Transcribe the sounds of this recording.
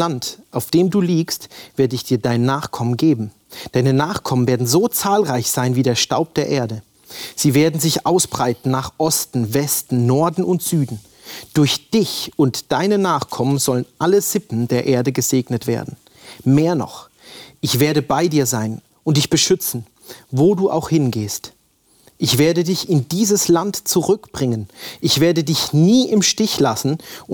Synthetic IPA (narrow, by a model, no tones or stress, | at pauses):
lantʔaʊfd̥eːmduːliːkstv̥eːɐdəɪçd̥iːɐdaɪnːaːχkʰɔmənɡeːbm̩ | d̥aɪnənaːχkʰɔmənveːɐdn̩zoːt͡saːlʁaɪçz̥aɪnviːdeːɐʃta̰ʊp̚d̥eːɐʔeːɐdə | z̥iːveːɐdn̩zɪçʔa̰ʊsb̥ʁaɪtn̩naːχʔɔstn̩vɛstn̩nɔɐdn̩ʊntz̥yːdn̩ | d̥ʊɐçd̥ɪçʊntd̥aɪnənaːχkʰɔmənzɔlənʔaləz̥ɪpn̩deːɐʔeːɐdəɡəzeːɡnətv̥ḛːɐdn̩ | meːɐnɔ̰χ | ʔɪçv̥eːɐɾəbaɪdiːɐzaɪn | ʔʊntd̥ɪçb̥əʃʏt͡sn̩ | voːduːʔa̰ʊxhɪnɡeːst | ʔɪçv̥eːɐdədɪçɪndiːzəslantt͡suʁʏkb̥ʁɪŋənʔɪçv̥eːɐdədɪçniːʔɪmʃtɪçlasn̩